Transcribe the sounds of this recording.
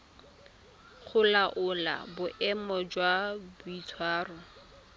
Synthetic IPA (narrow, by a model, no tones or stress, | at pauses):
χʊlaʔʊla̰bʊʔɛmɔd͡ʒwabʊit͡sʰwaːrʊ